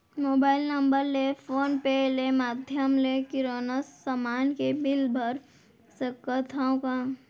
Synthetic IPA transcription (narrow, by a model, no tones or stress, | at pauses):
moːbaːɪlnə̃mbəɾlepʰoːnpɛɦlemaːd̪ʱjəmlekɪɾoːnəsːəmaːnkebɪlbʱəɾ | səkət̪ʰaõkã